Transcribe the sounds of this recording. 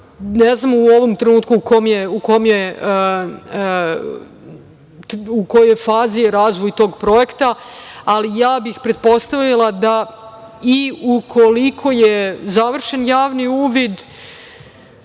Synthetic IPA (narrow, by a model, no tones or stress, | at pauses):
neznamuo̞ʋo̞mt̪ɾenuːt̪kuːkomjeuko̞mje | uko̞jojfaːziɾaːzʋo̞jt̪o̞ːɡpɾo̞jekt̪aːlijaːbixpɾe̞d̪̚po̞st̪aʋilˠad̪a | iukʰo̞likʰo̞jezaʋr̩ʃe̞njaːʋniuːʋid̪